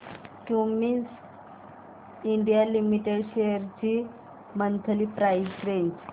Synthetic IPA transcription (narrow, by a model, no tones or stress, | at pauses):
kumins | iɳɖijalimiʈeɽɕeəɾt͡ɕi | mənt̪ʰəlipɾajzɾeɲd͡ʑ